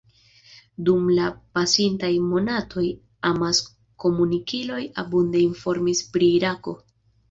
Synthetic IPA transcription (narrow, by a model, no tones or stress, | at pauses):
dumlapasintajmo̞natʰo̞j | amas | ko̞munikilo̞ja̰bunde̞info̞ɾmispɾiːɾako̞̰